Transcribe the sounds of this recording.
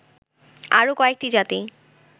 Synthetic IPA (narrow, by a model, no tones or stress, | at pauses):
aɾokɔek̚ʈid͡ʑat̪i